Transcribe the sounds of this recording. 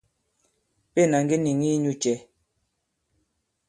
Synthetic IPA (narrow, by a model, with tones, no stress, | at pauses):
pe˦˨na˨ŋ˦ɡi˦ni˨ŋi˦ɲu˦t͡ʃɛ˨˦